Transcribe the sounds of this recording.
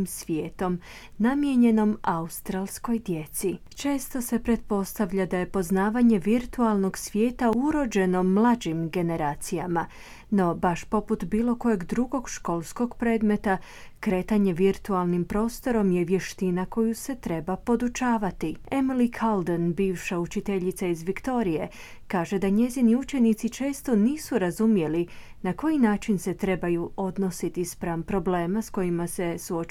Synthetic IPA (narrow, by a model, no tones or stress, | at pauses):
imsʋjeːt̪o̞m | namje̞ɲe̞no̞maust̪ɾalˠsko̞jd̪je̞t̪si | t͡ʃe̞ːst̪o̞se̞pɾe̞t̪̚po̞st̪aʋʎad̪aje̞po̞znaːʋaɲe̞ʋiɾt̪ualˠno̞ɡsʋje̞ːt̪auɾo̞d͡ʒe̞no̞mlˠad͡ʑimɡe̞ne̞ɾaːt̪sijama | no̞baʃpo̞put̪biːlˠo̞ko̞je̞ɡd̪ɾuɡo̞ɡʃko̞lˠsko̞ɡpɾe̞ːd̪me̞t̪a | kɾe̞ːt̪aɲe̞ʋiɾt̪ualˠnimpɾo̞ːst̪o̞ɾo̞mje̞ʋje̞ʃt̪inako̞juse̞t̪ɾe̞bapo̞d̪ut͡ʃaːʋat̪ie̞milikʰald̪enbiːʋʃaut͡ʃit̪e̞ʎit̪saizʋikt̪o̞ɾije̞ | kaːʒe̞d̪aɲe̞ziniut͡ʃe̞nit̪sit͡ʃe̞ːst̪o̞niːsuɾazumje̞li | nako̞jinaːt͡ʃinse̞t̪ɾe̞bajuʔo̞d̪no̞sit̪ispɾaːmpɾo̞ble̞ːmasko̞jimase̞suo